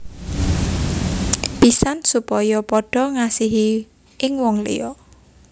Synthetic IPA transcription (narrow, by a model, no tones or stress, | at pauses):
pisansupɔjɔpɔɖ̥ɔ̤ŋasiɦi | ʔɪŋwɔŋlḭjɔ